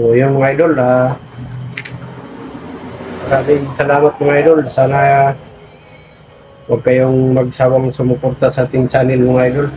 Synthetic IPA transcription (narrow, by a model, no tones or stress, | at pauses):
ojʊnmʊŋajd̪ola | ɾat̪ɪŋsɐlaːmat̪̚mʊŋajd̪olsaːna | waɡ̚kajʊŋmɐɡ̚sawaŋsʊmʊport̪asat̪ɪɲt͡ʃanɪnmʊŋajd̪ol